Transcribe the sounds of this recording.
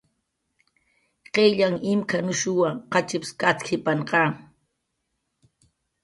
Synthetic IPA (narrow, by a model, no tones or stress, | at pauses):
qeʎaŋɪmkʰanʊʃʊwaqɑt͡ʃɪpskat͡skʰɪpaɴqɑː